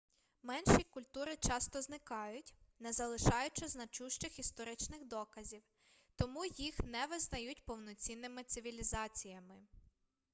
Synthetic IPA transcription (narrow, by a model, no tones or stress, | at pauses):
mɛnʃikʊlʲt̪uɾɪt͡ʃɑst̪ɔznɪkɑjʊtʲnɛzɐlˠɪʃɑjʊt͡ʃɛznɐt͡ʃuʃt͡ʃɪxist̪ɔɾɪt͡ʃnɪxd̪ɔkɐzʲiw | t̪ɔmujixnɛʋɪznɐjutʲpɔwnɔt͡sʲinːɪmɪt̪sɪʋʲilʲizɑt͡sʲijɐmɪ